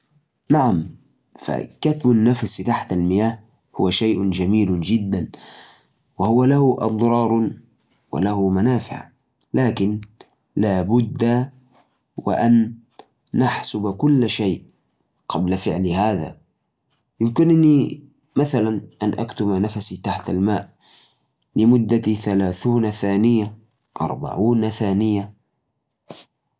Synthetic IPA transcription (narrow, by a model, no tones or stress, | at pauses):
naʕam | fa̰kat̪banːafast̪aħt̪almɪjaːh | hʊwaʃajʔʊd͡ʒamiːld͡ʒɪd̪ːan | wahʊwalahuʔɑ̰d̪ˤɾˤɑːɾˤ | wa̰lahumanaːfɪ̰ʕ | laːkɪn | laːbʊd̪ːa | wɪ̰ʔanː | aħsʊbakʊlːʃeːʔ | qɑblafɪʕlihaːða̰ | jɪmkɪnʔɪnːi | maθalanʔanʔakt̪ʊmanafasit̪aħt̪almaːʔ | lɪmʊd̪ːat̪iθalaːθuːnaθaːnɪja | ʔɑ̰ɾˤba̰ʕuːnaθaːnɪja